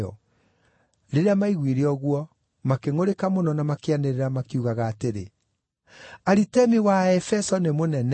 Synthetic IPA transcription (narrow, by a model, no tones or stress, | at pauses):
ɔ̰ | ɾeɾeamaiɣwiɾeɔɣwɔ | makeŋoɾekamonɔnamakeaneɾeɾamakiuɣaɣaːteɾe | aɾitɛmiwaɛfɛsɔnemonɛn